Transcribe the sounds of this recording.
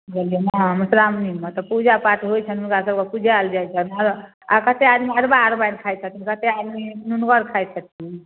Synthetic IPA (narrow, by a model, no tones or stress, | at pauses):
ɡelijenamusɾamnimʌt̪ɔpud͡ʒapatɦojt͡ʃʰənunkasəbkapud͡ʒʱald͡ʒajt͡ʃʰənaɾ | a̰kət̪ead̪miaɾbaɾbankʰajt͡ʃʰət̪ʰikət̪ead̪minunɡʌɾkʰajt͡ʃʰət̪̚ʰiĩ